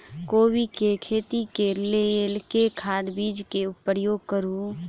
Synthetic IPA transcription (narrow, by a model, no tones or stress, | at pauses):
koːbikekʰeːt̪ikelelkekʰaːd̪biːd͡ʒkeʊpːəɾjoːɡ̚kəɾũ